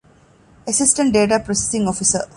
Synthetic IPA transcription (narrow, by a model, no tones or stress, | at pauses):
əsisʈə̃ɳʈ̚ɖeːʈ̬apɾose̥sĩŋɔfisə